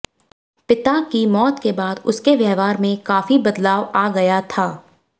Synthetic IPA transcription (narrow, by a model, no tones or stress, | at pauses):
pɪt̪akimɔːt̪kebaːd̪ʊskeʋjɛːʋaːɾmẽkaːfibɐd̪laːʋaːɡɐjat̪ʰaː